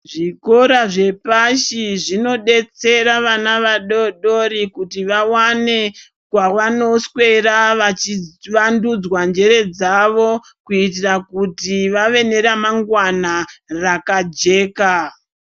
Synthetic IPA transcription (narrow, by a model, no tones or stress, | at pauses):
ʐiko̞ɾaʐe̞paʃiʐino̞ɗe̞t͡se̞ɾaʋanaʋaɗo̞ɗo̞ɾikutiʋawane̞ | kwawano̞swe̞ɾaʋat͡ʃiʋandud͡zwand͡ʒe̞ɾe̞d͡zaʋo̞ | kuitirakutiʋaʋe̞ne̞ɾamaŋɡwanarakad͡ʒe̞ːka